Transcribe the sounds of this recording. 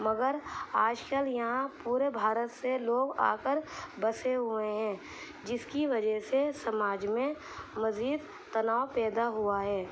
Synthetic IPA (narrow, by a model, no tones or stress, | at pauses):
mɐɡəɾaːd͡ʒkəljɐɦãpuːɾebʱaːɾət̪seloːɡa̰ːkəɾbəseɦʊeɦɛ̃ː | d͡ʒɪskiʋɐd͡ʒəɦsesɐmaːd͡ʒmẽ | mɐziːd̪ | t̪ɐnaːopɛːd̪aɦʊaɦɛː